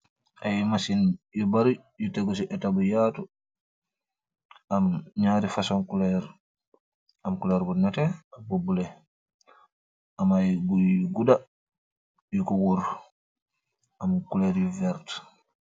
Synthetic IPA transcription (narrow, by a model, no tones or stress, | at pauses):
ʔajmasinjibaɾi | jutɛɡɔs̬iʔɛtabɔjatɔ | amɲaːɾifasɔnkulɛɾ | amkulɛɾbɔnɛtɛabobulɛ | ʔamajɡuɡuda | jukuɡuɾ | ʔamkulɛɾjuvɛɾt